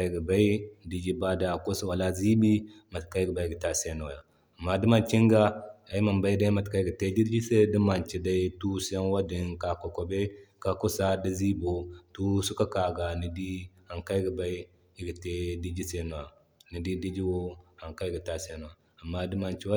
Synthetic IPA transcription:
a˦ɡi˨ba˦i˦˨di˦d͡ʒi˦ba˦da˨ko˦si˦wa˨la˦zi˦bi˦ma˨tka˦i˦ɡi˨ba˦i˦˨ɡi˨ta˦se˦no˨ja˨ | a˨mːa˦di˦ma˨nt͡ʃi˦ŋɡa˦a˨i˦ma˨mba˦i˦da˦i˦ma˨tka˦i˦ɡi˨te˦di˦d͡ʒi˦se˦di˦ma˨nt͡ʃi˨da˦i˦tu˦si˦ja˦nwa˦di˨nka˨ko˨ko˨be˦ka˨ko˦sa˦da˦zi˦bo˨tu˦su˦ka˦ka˨ɡa˨ni˦di˦ha˨ŋka˦i˦ɡi˨ba˦i˦ | i˦ɡi˨te˦di˦d͡ʒi˦se˦n˨a˨ | ni˨di˦di˦d͡ʒi˦wo˦ha˨ŋka˦i˦ɡi˨ta˦se˦no˨a˨ | a˨mːa˦di˦ma˨nt͡ʃi˦wa˦

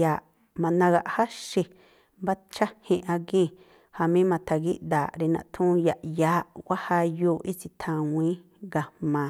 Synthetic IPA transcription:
jaː˨ʔ | mã˨nã˧ɡa˧ʔha˦ʃi˧ | mba˦t͡ʃa˦hĩ˧ʔa˧ɡĩ˦˨ | ha˧mĩ˦mã˧t̪ʰa˨ɡi˦ʔd̪aː˨ɾe˧nã̰˧˨t̪ʰũ˦ja˧˨ʔjaː˨˦ʔɡʷa˦ha˧joː˧˦˨ʔi˦si˧t̪ʰã˧˨wʷĩː˦ | ɡa˧˨mãː˨

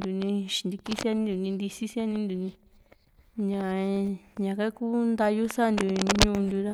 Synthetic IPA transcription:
nd̪u˨nĩ˧ʃi̥˨nd̪i˧ki˦sa˦˧nĩ˦nd̪u˨nĩ˧nd̪i˧si˦si˦a˦nĩ˦nd̪u˨nĩ˧ | ɲã˨ɲã˨ka˦ku˦nd̪a˧ju˦sa˦˧nd̪u˨ɲɲũ˦˧nd̪u˧ɾa˦

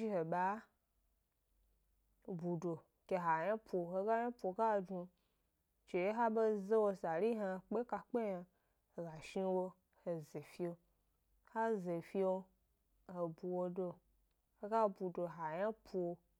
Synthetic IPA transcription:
i˦he˨ɓa˨˦ | bu˨do˨ | ke˨˧ɦa˨jã˦pʰʷo˨he˧ɡa˦ja˦pʷo˨˧˨ka˦˨d͡ʒu˧ | t͡ʃe˨je˦ɦa˦be˦ze˦wo˧sa˨ɾi˦ɦa˧k͡pe˦ka˧k͡pe˦ja˧ | he˨ɡa˨ʃi˧wo˧ | he˨ze˨fi˦o˧ | ha˦ze˨fi˦o˧ | he˨bu˨wo˧do˧ | he˦ɡa˦˧bu˨do˨ɦa˨ja˦pʰo˧

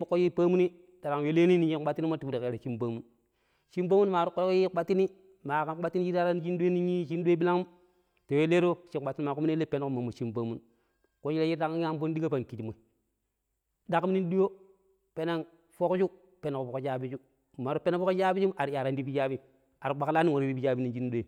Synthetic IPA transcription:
bu˦kːo˦ji˦pa˦mu˦ni˦ | ta˨ɾa˨ŋ˨we˦le˦ni˦ni˦ji˦a˦ti˦ni˦ma˦tu˨bu˦di˨ka˨ɾa˨t͡ʃi˦mba˦mu˦n | ʃi˦mba˦mu˦nma˨ɾu˦ko˦ko˦ji˦k͡pa˦ti˦ni˦ | ma˨a˦a˦ti˦n˦ji˦a˦ɾa˦n˦t͡ʃi˦n˦du˦e˦ni˦ɲi˦ʃi˦ndu˦e˦bi˦la˦ŋu˦m | to˨we˦le˦ɾo˦ʃi˦k͡pa˨ti˦ni˦ma˨ku˦m˦n˦e˦le˦pe˦n˦ku˦ma˨mːu˨ʃi˦mba˦mu˦n | ko˦ʃi˦la˦ji˦da˦ka˦a˦bo˦n˦di˦ɡa˦pa˨ŋki˨ti˨mo˨ | da˨km˦ni˦du˦jo˦ | pe˦na˦ŋ | fo˦kd͡ʒu˦ | pe˨na˨ku˨fo˨ko˦d͡ʒa˦bi˦d͡ʒu˦ | ma˨ɾu˦pe˦na˦fo˦ko˦d͡ʒa˦bi˦d͡ʒu˦mʔa˨ɾi˨ja˨ɾa˦ndi˦bi˦d͡ʒa˦bi˦ | a˨ɾi˨˦ɡ͡ba˨kla˦ni˦wo˨ɾi˨bi˦bi˦d͡ʒa˦bi˦ni˨nd͡ʒi˦n˦du˦e˨

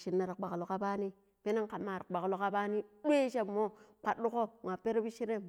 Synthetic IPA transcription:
ʃi˨nːa˨ɾi˨k͡pa˨klo˨ka˦ba˦ni˦ | pe˦na˦ŋka˨mːa˨ɾa˨ɓa˨klo˨ka˦ba˦ni˦dʷe˦ʃe˦bmo˦k͡paː˨u˦ko˦ŋʷ˨a˨pe˦ɾe˦bi˦ʃi˦ɾe˦m

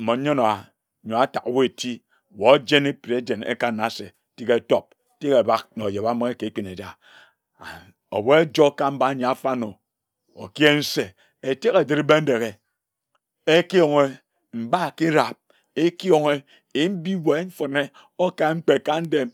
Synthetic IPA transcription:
m̩˨mo˨˦ɲo˦no˨a˨ | ɲo˨a˦ta˨kwo˦e˨ti˦˨ | wo˨˦d͡ʒe˦ne˦pi˨ɾe˨˦d͡ʒe˨nḛ˦ka˦na˨˦se˨˦ti˦ke˦˨to˦p̚ | ti˦ke˨ba˦k̚no˨je˨ba˦mo˦e˦ke˨˦k͡pi˨ne˨d͡ʒa˦ | a˨ | o̰˨wo˦e˦d͡ʒo˦ka˦m̩˦ba˦ɲe˨a˨fa˦no˨ | o̰˨ki˦e˦n̩˦se˨ | e˨te˦ɣe˨di˦ɾbe˦n̩˦de˨ɣe˨ | e˦ki˦jo˨ŋe˦ | m̩˨ba˦˨ki˦ɾa˨p̚ | e˦ki˦o˨ŋe˦ | e˨˦m̩˦bi˦we˨˦ɱ̩˦fo˨ne˦ | o˦ka˨˦ŋ͡m̩˦k͡pe˨ka˦n̩˦de˦m

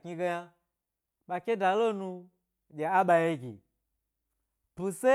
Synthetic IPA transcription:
ki˧ɡe˧ja˦ | ɓa˨kʲe˦da˨lo˦nu˧ | d͡ʒʲe˨a˦ɓa˨je˦ɡʲḭ˨ | pu˨se˦

